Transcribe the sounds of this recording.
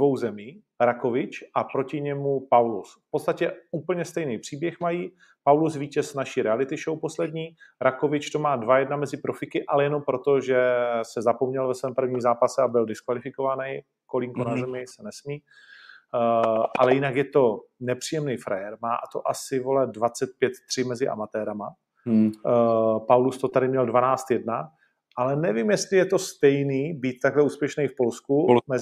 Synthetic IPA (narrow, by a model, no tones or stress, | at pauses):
dvo̞wzɛmiː | ɾako̞vɪt͡ʃʔapɾo̞cɪɲɛmupawlusfpot̪st̪acɛuːpl̩ɲɛst̪ɛjnijpr̥iːbjɛxmajiː | pawlusviːcɛsnaʃiːɾɛalɪt̪ɪʃowpo̞slɛdɲiːɾako̞vɪt͡ʃt̪o̞maːdvajɛdnamɛzɪpɾo̞fɪkɪʔalɛjɛno̞mpɾo̞t̪oʒɛsɛzapo̞mɲɛlvɛsvɛːmpr̩vɲiːmzaːpasɛabɪldɪskvalɪfɪko̞vanɛj | kolɪŋkonazzɛmɪsɛnɛsmiː | ʔa̰lɛjɪnakjɛt̪o̞nɛpr̝̥iːjɛmnɛjfɾa̰jɛɾmaːt̪oʔasɪvolɛd̪dvat͡sɛt̪̚pjɛt̪t̪r̥ɪmɛzɪʔa̰mat̪ɛːɾama | pawlust̪ot̪adɪmɲɛldvanaːt͡st̪jɛdna | ʔalɛnɛvimjɛst̪lɪjɛt̪o̞st̪ɛjniːbiːt̪t̪aɡlɛuːspjɛʃnɛjfpo̞lskumɛ